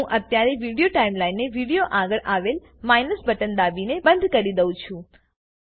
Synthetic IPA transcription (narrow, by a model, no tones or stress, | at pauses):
ũʔət̪jaɾeʋiɽijoʈaimlainːeʋiɽijoʔaɡəɭʔaʋel | majnəsbəʈənd̪abinebənd̪ʱkəɾid̪əʋũt͡ʃʰũ